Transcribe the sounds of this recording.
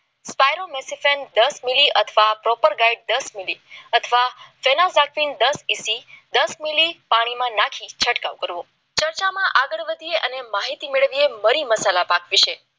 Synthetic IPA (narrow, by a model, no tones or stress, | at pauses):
spajɾomesifend̪əsmiliʔət̪ʰəʋapɾɔpəɾɡaiɖ̚d̪əsmiliət̪ʰəʋafenazakʰʋind̪əsisid̪əsmilipaɽ̃imãnakʰit͡ʃʰəʈkaʋkəɾʋo | t͡ʃəɾt͡ʃamãʔaɡəɭʋəd̪ʱieʔənemaɦit̪imeɭʋieməɾiməsalapakʰʋit͡ʃʰe